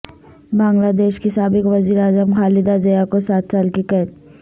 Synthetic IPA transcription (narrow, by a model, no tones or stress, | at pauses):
bãːŋɡlad̪eːʃkisaːbɪkʋɐziːɾaːzəmxaːlɪd̪azejakosaːt̪̚ʰt͡ʃaːlkikɛt̪